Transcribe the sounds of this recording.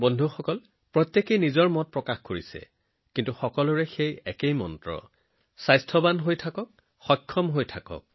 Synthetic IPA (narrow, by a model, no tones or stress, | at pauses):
bɔndʱuxɔkɔl | pɹɔtjekejnizɔɹmɔt̚pɹɔkaxkoɹisɛ̰ | kintuxɔkɔlʊɹɛxejɛkejmɔ̰ntɹɔ̰ | sajstʰɔbanɦojtʰakɔk̚ | xɔjkʰːɔmɦojtʰakɔ̰k̚